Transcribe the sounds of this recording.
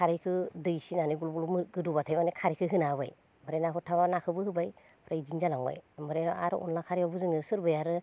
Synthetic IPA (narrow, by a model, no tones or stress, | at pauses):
kʰaɾikʰɯdɯjsinaniɡulblɡɯdubatʰajmanikʰaɾikʰɯɦɯnaba̰j | mɯɾenakʰɔtʰaβanakʰɯbɯhɯbaj | pʰɾajd͡ʒinzalaŋɔ̰jmɯɾenɔ̰ʔaɾɯ̰ʔṵnlakʰaɾiɔbɯzɯŋɯsɯɾbɯjaɾɯ